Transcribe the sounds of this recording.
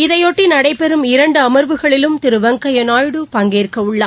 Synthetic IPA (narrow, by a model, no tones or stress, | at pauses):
ɪðɐjɔʈːinɐɽɐɪpɛɾɯmɪɾɐɳɖɯɐmɐɾʋɯɣɐɭɪlɯmt̪ɪɾɯʋɐŋkɐjɐnaːjɽɯpɐŋɡeːrkɐɯɭːaː